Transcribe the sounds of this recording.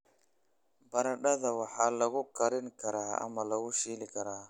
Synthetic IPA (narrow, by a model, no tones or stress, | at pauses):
bɐɾɐɖɐðɐwɑħaːlɐɣʊkʰɐɾɪŋkʰɐɾaːɐ̰mɐlɐɣʊʃiːlɪkʰɐɾaː